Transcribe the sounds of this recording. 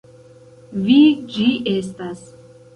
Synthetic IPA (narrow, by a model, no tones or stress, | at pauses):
vid͡ʒiʔɛst̪as